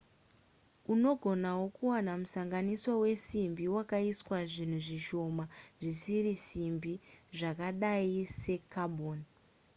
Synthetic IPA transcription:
uno̞ɡʱo̞nawo̞kuwanamusaŋɡanisowe̞simbiwakaiswaʐin̤uʐiʃo̞maʐisiɾisimbiʐakaɗaise̞kaɓʱoːn

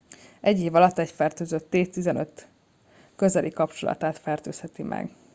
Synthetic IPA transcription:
ɛɟːeːvɒlɒt̪ːɛcfɛrt̪øːzøt̪ːeːtt̪izɛnø̞t̪ː | kø̞zɛlʔikɒpt͡ʃolɒ̰t̪aːt̪fɛrt̪ø̰ːshɛt̪imʔɛ̰ɡ

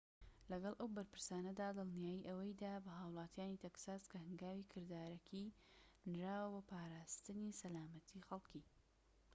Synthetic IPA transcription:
lɐɡɐlˠʔɐwbɐɾpɨɾsaːnɐd̪aːd̪ɨlˠnijaːjiʔɐwɐjd̪aːbɐɦaːwlˠɑːt̪ijaːnit̪ʰeksaːskɐhɨŋɡaːwikʰɨɾd̪aːɾɐkʰi | nɾaːwɐbɐpʰaːɾaːst̪ɨnisɐlaːmɐt̪ʰixɐlˠki

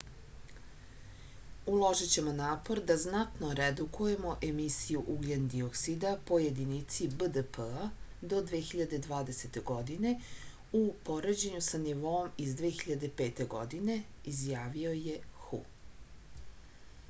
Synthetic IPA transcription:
ulˠo̞ʒit͡ɕe̞mo̞naːpo̞ɾd̪aznat̪noɾed̪ukuje̞mo̞ʔe̞misijuʔuɡʎend̪ioksid̪apo̞jed̪init̪sibəd̪əpəad̪o̞d̪ʋeːxiʎad̪e̞d̪ʋaːd̪eset̪e̞ɡo̞d̪ine̞ | upo̞ɾed͡ʑeɲusaniʋo̞omizd̪ʋeːxiʎad̪e̞peːt̪e̞ɡo̰d̪ine̞izjaːʋio̞je̞xṵ

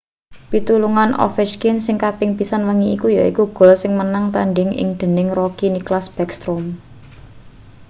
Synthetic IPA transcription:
pit̪uluŋanʔɔ̰fɛʃkinsɪŋkapɪŋpisanwəŋiikujaikuɡ̥ɔ̤lsɪŋmənaŋt̪a̰nɖɪŋɪ̰ŋd̪̥ə̤nɪŋrɔkiniklasb̥ɛkst̪ɾom

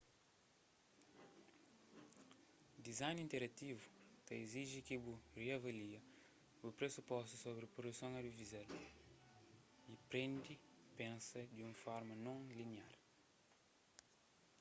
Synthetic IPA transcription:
d̪izajnĩnt̪eɾɐt̪ivut̪ɐiziʒikiburiavɐliɐ | bupɾesupɔst̪usobɾipɾod̪usõŋɐd̪ivizel | ipɾẽnd̪ipẽnsɐd̪jũŋfɔɾmɐnõŋliniaɾ

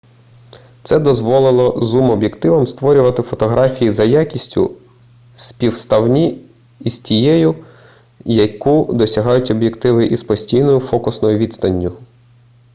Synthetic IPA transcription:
t̪sɛd̪ɔzʋɔlˠɪlˠɔzumɔbʲjekt̪ɪʋɐmst̪ʋɔɾʲʊʋɐt̪ɪfɔt̪ɔɦɾɑfʲijizɐjakʲisʲtʲʊ̰ | spʲiwst̪ɐwnʲi | iz̥tʲijɛjʊ | jɐkud̪ɔsʲɐɦɑjʊtʲɔbjekt̪ɪʋɪʔizpɔsʲtʲijnɔjʊfɔkʊsnɔjʊʋʲit̪st̪ɐnʲːʊ

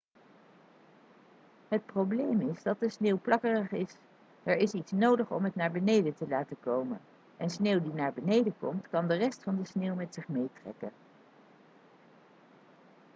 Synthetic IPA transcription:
ɦət̚prowblejmɪzdɑt̚dəsnewplɑkərəχɪs | ɛɹɪsitsnowdəχɔ̰mɦətnaːɹbənejdətəlaːtəkowmə̰n | ʔɛnsneːwdinaːɹbənejdəkɔmtkɑndərɛstfɑndəsneːwmɛtsɪχmejtrɛ̰kə̰n

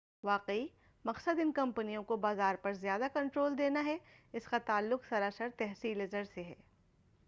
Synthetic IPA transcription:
ʋaːqei | mɐqsəd̪ɪnkɐ̃mpənijõkobaːzaːɾpɐɾzjaːd̪akɐ̃ɳʈɾoːld̪eːnaɦɛɪskat̪aːlːʊqsɐɾaːsəɾt̪ɛɦsiːlɪzəɾseɦɛː

